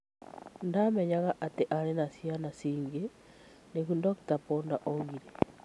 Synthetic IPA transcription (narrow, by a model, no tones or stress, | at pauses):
ndamɛɲaɣaʔateʔaɾenasianasiːŋɡe | neɣundɔktapɔndaʔɔɣiɾe